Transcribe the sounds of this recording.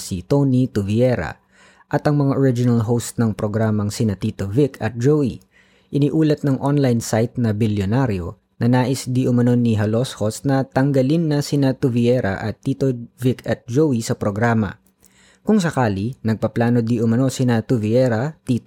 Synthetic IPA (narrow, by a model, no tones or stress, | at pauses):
sit̪onit̪ʊviɛɾɐ̰ | ʔɐt̪ɐŋmɐŋaʔoɾɪd͡ʒɪnɐlɦowst̪nɐŋpɾo̞ɡɾaːmɐŋsɪnɐt̪iːt̪ovɪkʰɐ̰t̪̚d͡ʒowi | ʔɪniʔuːlɐt̪̚nɐŋʔonlajnsajt̪̚nɐbɪljonaɾjo̰ | nɐnaːʔɪsd̪iʔʊmɐno̞niɦɐloshosnɐt̪ɐŋɡɐlinːɐsɪnɐt̪ʊviɛɾɐ̰ʔɐt̪ːiːt̪ovɪkʰɐt̪̚d͡ʒowisɐpɾoɡɾaːmɐ̰ | kʊŋsɐkaːlinɐɡ̚pɐplaːno̞d̪iʔʊmɐno̞sɪnɐt̪ʊviɛɾɐt̪iːt̪